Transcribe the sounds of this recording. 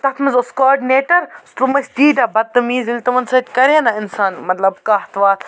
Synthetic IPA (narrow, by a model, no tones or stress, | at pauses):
t̪ɐt̪ʰmɐzoskoːɖineːʈɐɾst̪umɐst̪iːd̪ʲɐbɐt̪ːɐmiːzilt̪ɐmɐnsɐt̪ʲkɐɾenɐɪnsaːnmɐt̪lɐbkaɦt̪ʋaːt̪